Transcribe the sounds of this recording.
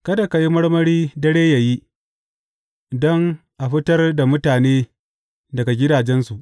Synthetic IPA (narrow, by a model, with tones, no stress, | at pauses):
kɐ˦da˨ka˨ji˦mɐ˦ɽmɐ˦ɽiː˦dɐ˦ɽeː˦ja˨ji˦ | dɔ˦ŋ | ʔa˨ɸɪ˦tɐ˦rda˨mʊ˦taː˨neː˦ | dɐ˨ɡa˨ɡʲɪ˦daː˨d͡ʒɛ˦nsu˨ʔ